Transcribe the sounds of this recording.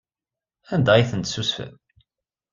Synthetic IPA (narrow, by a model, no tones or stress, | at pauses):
ænd̪æjθənt̪susfæ̰n